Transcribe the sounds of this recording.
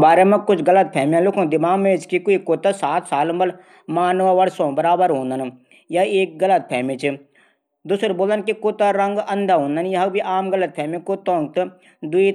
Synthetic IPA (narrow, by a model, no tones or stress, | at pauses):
baːɾemẽkʊt͡ʃʰɡɐlət̪̚pʰɛːmjãlʊkʰõd̪ɪmaːmeːt͡ʃkikoikot̪asaːt̪ʰsaːlmbəl | maːnʋaʋɐɽsõːbəɾaːbəɾɦõːnd̪ən | jaeːk̚ɡɐlət̪̚pʰɛːmet͡ʃʰi | d̪usɾboːlənkikoːt̪aɾɐŋɡɐnd̪aɦõːnd̪ənjɐɦɐbʱiʔaːmɡələt̪̚pʰɛːmẽkot̪ɔ̃ːŋɡ̚t̪ | d̪ʊi